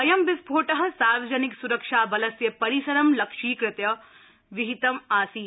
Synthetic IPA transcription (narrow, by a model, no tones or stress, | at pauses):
ɐjɐmbɪsbʱoːʈɐɦɐ̆saːɾʋɐd͡ʒɐniksuɾɐkʂaːbɐlɐsjɐpɐɾisɐɾɐmlɐkʂiːkɾɪt̪jɐ | ʋiɦit̪ɐmaːsiː